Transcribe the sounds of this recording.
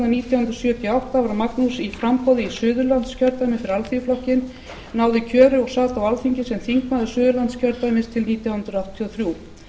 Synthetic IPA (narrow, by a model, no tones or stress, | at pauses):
aniːt̪jawhʏnt̪ɾʏsjœt̪ʰijɔawht̪avaɾamaknusifɾampɔwðɪisʏːðʏlant̪scʰœɾt̪ajmɪ̥fɪɾɪɾalθiflɔhcɪn | naːwðɪcʰœːɾʏɔɣsaːt̪awalθiɲcɪsɛmθiŋknaðɪsʏːðʏlant̪scʰœɾt̪ajmɪst̪ʰɪlniːt̪jawhʏnt̪ɾʏawht̪ʰːiɔθɾjuː